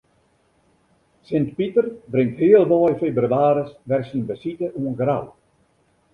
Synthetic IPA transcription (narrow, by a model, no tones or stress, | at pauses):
sɪntpitərbrɪŋthiəlˠʋɔjfebryaːɾəsʋɛrsinbəsitəʔuənɡra̰w